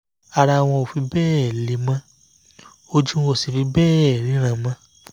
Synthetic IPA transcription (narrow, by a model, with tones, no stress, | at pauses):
a˧ɾa˧˨w̃ɔ̃˧o˨fi˨˧˦bɛː˦˨li˨˦mã˧ | o˧d͡ʒũ˦o˦˨si˨fi˧˦bɛː˦˨ɾĩ˨˦ɾ̃ã˨mã˧